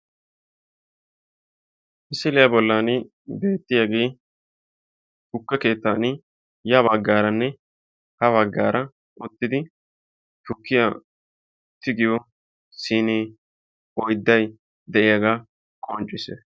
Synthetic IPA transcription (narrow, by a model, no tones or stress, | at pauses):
ʔɪsɪlɪjabɔlːaːnɪ | be̞ːt̪ːɪjaɡe̞ː | hʊkːɛke̞ːt̪ːaːnɪ | jɐbɐɡːaːɾɐnːɛ | hɐβɐɡːa̰ːɾɐ | ʔʊt̪ːɪd̪ɪ | t̪ʊkːɪja | t̪ːɪɡɪjɔ | siːneː | ɔjd̪ːɐj | d̪ɛʔɪjaɡaː | kʰʼɔːnt͡ʃʼɪsḛ